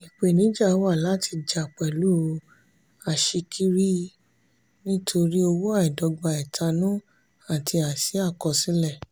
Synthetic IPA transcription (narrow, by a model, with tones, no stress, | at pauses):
i˨k͡pe˨nĩ˨˦d͡ʒa˦˨˦wa˦˨la˨˦tʰi˧d͡ʒa˨k͡pɛ˨lu˦˧ | a˨ʃi˧kʰi˦ɾi˦ | nĩ˦tʰo˧ɾi˦o˧wo˦a˦i˨dɔ˧ɡ͡ba˧˨ɛ˨tʰa˧nũ˦ | a˨tʰi˧a˨sĩ˨˦a˦˨kɔ˧˨sĩ˨˦lɛ˦˨